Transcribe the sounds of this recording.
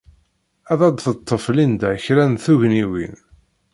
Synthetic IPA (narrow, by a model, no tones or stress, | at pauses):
æðɑd̪θət̪ˤːəflind̪æçɾænθuʝniwḭn